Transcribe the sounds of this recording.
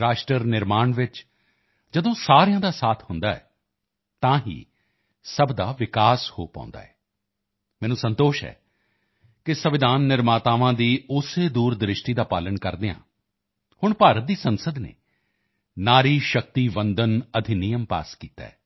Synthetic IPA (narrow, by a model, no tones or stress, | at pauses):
ɾaːʃʈɾəɾnɪɾmaːɳʋɪt͡ʃ | d͡ʒəd̪õːsaːɾejãːd̪aːsaːt̪ʰhʊnd̪aːɛ̰ː | t̪ãːɦḭː | səbd̪aːʋɪkaːshoːpã̰ʊ̃nd̪a̰ːɛː | mɛ̃ːnũːsə̃nt̪oːʃɦɛ̰ː | kɪsəʋɪd̪aːnːɪɾmaːt̪aːʋãːd̪iːʊseːd̪uːɾd̪ɾɪʃʈiːd̪aːpaːləɳkəɾd̪eːã̰ː | hʊɳpaːɾət̪̚d̪iːsənsəd̪nḛː | naːɾiːʃək̚t̪iːʋə̃nd̪ənəd̪ʱɪnɪjəmpa̰ːskiːt̪a̰ːɛ̰ː